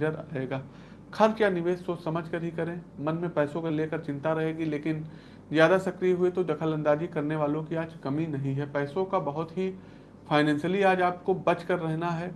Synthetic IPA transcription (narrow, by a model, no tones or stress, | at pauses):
d͡ʒəɾaeːɡaː | kʰɐɾkjaːnɪʋeːʃsoːsɐməd͡ʒʱkɐɾɦikɐɾẽmɐnmẽpɛːsõkeleːkəɾt͡ʃɪ̃nt̪aɾɐɦeːɡileːkɪn | zjaːd̪asɐkɾiɦʊet̪od̪ɐkʰəlɐ̃nd̪aːd͡ʒikɐɾneʋaːlõkiaːd͡ʒkɐminɐɦĩɦɛpɛːsõkabɐɦʊt̪ɦi | fʰaːɪnɛ̃ːnsəliaːd͡ʒaːp̚kobɐt͡ʃkɐɾːɛɦnaɦɛː